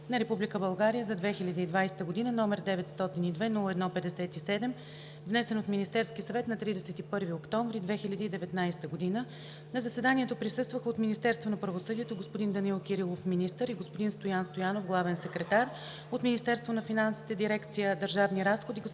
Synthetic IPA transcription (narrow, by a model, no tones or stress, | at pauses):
nɐɾɛpublʲikəbɐlˠɡaɾijəzɐd̪vɛxilʲəd̪iːd̪vajsɛ̥t̪əɡod̪inənɔmɛɾd̪ɛvɛt̪st̪ɔt̪inid̪vɛnulˠəɛd̪nɔpɛd̪ɛsɛt̪isɛd̪ɛm | vnɛsɛnot̪minist̪ɛɾskʲiəsɐvɛt̪nɐt̪ɾid̪ɛsɛt̪ipɤɾviokt̪ɔɱvɾid̪vɛxiʎʲəd̪iːd̪ɛvɛt̪najsɛ̥t̪əɡod̪inə | nɐzəsɛd̪aniɛt̪opɾisɤst̪vəxəot̪minist̪ɛɾst̪vonɐpɾəvosɤd̪iɛt̪oɡospʊd̪ind̪ɐnilˠkʲiɾilˠofminist̪əɾiɡospod̪inst̪ojanst̪ojanofɡlˠavɛnsɛkɾɛt̪aɾ | ot̪minist̪ɛɾst̪vonɐfinansi̥t̪ɛd̪iɾɛkt̪sijəd̪əɾʒavniɾasxod̪iɡ